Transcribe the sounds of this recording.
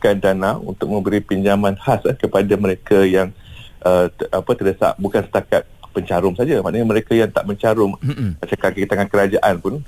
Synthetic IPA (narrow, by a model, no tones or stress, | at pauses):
kandanaṵnt̪ʊk̚mə̃mbəɾipiɲd͡ʒamãnhasahkəpadamə̃ɾekajaŋʔəʔapət̪ədasa̰ʔbukansə̥t̪akat̪̚pəɲt͡ʃaɾʊmsad͡ʒamaʔnəɲamə̃ɾekajaŋt̪a̰ʔməɲt͡ʃaɾʊmmat͡ʃakakit̪aŋankəɾad͡ʒaʔanpʊn